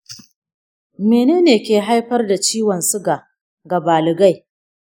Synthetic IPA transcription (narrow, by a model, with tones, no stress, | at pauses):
meː˨neː˦neː˨kʲeː˨ɦa˦jɸɐ˦rda˨t͡ʃiː˦wɐ˨nsʊ˦ɡa˨ | ɡɐ˨baː˨lɪ˨ɡa˦˨j